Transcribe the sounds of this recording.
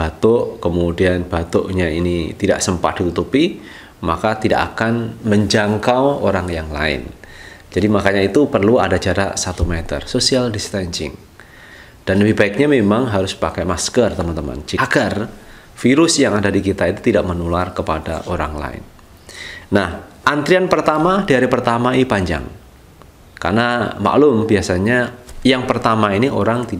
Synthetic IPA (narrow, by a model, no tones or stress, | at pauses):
bat̪ʊʔkəmudianb̥at̪ʊʔɲainit̪ida̰ʔsəmpa̰t̪̚d̥it̪ut̪upi | makat̪ida̰ʔakanməɲd͡ʒaŋkawoɾaŋjaŋla̰ɪ̰nd͡ʒadimakaɲait̪upərlua̰dad͡ʒaɾa̰sat̪umɛt̪ə̰rsosialdist̪aɲt͡ʃɪ̰ŋ | d̥anbibaɪk̚ɲamemaŋɦaɾʊspakajmaskərt̪əmant̪əma̰nd͡ʒiɡar | fiɾʊsjaŋadadikit̪ait̪ut̪idaʔmənularkəpada̰ʔoɾa̰ŋla̰ɪ̰nː | ahʔant̪ɾianpərt̪amadaɾipərt̪amaiipaɲd͡ʒa̰ŋ | ka̰rnama̰ʔlʊmbiasaɲajaŋpərt̪amainiʔoɾaŋt̪i